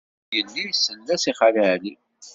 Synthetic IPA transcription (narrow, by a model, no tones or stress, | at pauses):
jənːijsənːæsiχaləʕli